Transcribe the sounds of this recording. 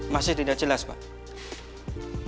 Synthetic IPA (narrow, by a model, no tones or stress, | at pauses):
masɪht̪idaʔt͡ʃəlaspa̰ʔ